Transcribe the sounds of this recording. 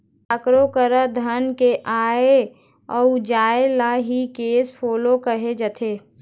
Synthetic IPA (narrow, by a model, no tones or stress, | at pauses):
əkɾokəɾəd̪ʱənkeʔaːe | ɔːud͡ʒaːelaɦikeːsfʰoːlokəɦed͡ʒət̪ʰeː